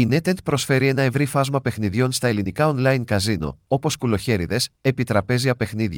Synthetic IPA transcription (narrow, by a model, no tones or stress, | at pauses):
ine̞t̪ent̪̚pɾo̞sfe̞ɾie̞nɐe̞vɾifɐzmɐpe̞xniðʝo̞nst̪ɐe̞linikɐonlɐjnkɐzino̰o̞po̞skulo̞çe̞ɾiðe̞se̞pit̪ɾɐpe̞ziɐpe̞xniðʝɐ